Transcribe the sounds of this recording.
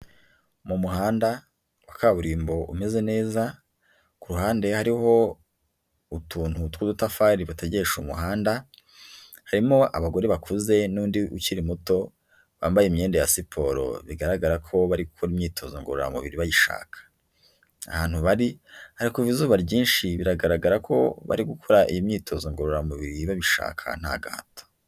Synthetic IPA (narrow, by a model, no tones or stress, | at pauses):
mumuhaːnda | wakaβuɾiːmbo̞ʔṵme̞ze̞ne̞ːza | kuɾuhaːnde̞haɾiho̞ | utʰuːnhutkudutafaɾiβateɟe̞ʃumṵɦaːnda | haɾimoʔa̰βaɡo̞ɾeβakʰuze̞nuːndiʔuciɾimuto̞ | βaːmbajemɲe̞ːndejasipʰo̞ɾo̞̰βiɡaɾaɡaɾakʰo̞βaɾiɡukʰoɾimɲiːtʰo̞zoŋɡoɾoɾa̰muβiɾiβajiʃa̰ːkʰḁ | ahaːnhuβaɾihaɾikuvizuːβaɾɟiːnʃiβiɾaɡaɾaɡaɾakʰo̞̰βa̰ɾiɡukʰo̞ɾaʔijimɲiːtʰo̞zoŋɡoɾoɾamuβiɾiβaβiʃa̰ːkʰa̰n̥ha̰ɡa̰a̰to̥